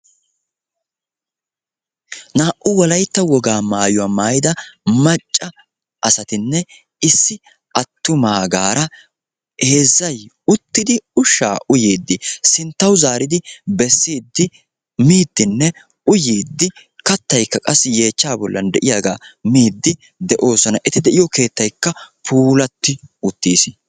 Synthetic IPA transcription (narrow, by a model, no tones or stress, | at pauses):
naːʔʊwɐlɐjt̪ːɐwɔɡaːmaːjʊwaːmaːjɪd̪ɐmɐt͡ʃʼːɐ | ʔɐsɐt̪ɪnːɛ | ɪsːɪ | ʔɐt̪ːʊmaːɡaːɾɐ | he̞ːzːɐj | ʊt̪ːɪd̪ɪʊʃːaːʔʊjeːd̪ːɪsɪnt̪ːɐwzaːɾɪd̪ɪbɛsːiːd̪ːɪ | miːd̪ːɪnːɛ | ʊjiːd̪ːɪ | kɐt̪ːɐjkːɐkʼɐsːɪje̞ːt͡ʃːaːbɔlːɐnd̪ɛʔɪjaːɡa̰ːmiːd̪ːɪ | d̪ɛʔo̞ːsɔnɐʔɛt̪ɪd̪ɛʔɪjɔke̞ːt̪ːɐjkːɐpʰuːlɐt̪ːɪʊt̪ːiːs